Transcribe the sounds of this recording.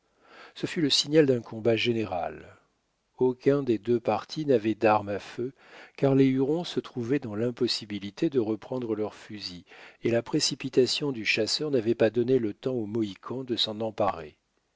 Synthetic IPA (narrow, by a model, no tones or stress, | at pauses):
səfyləsiɲjald̪ɛ̃kʰɔ̃baʒeneʁa̰l | okʲɛ̃d̪ed̪øpaʁt̪ʰinavɛd̪aʁmafø | kaʁleyʁɔ̃sət̪χuvɛd̪ɑ̃lɛ̃pɔsibilit̪ʰed̪əʁəpχɑ̃d̪ʁəlœʁfyzielapχesipit̪asjɔ̃d̪yʃasœʁnavɛpad̪ɔnelət̪ɑ̃omɔikʰɑ̃d̪əsɑ̃nɑ̃paʁḛ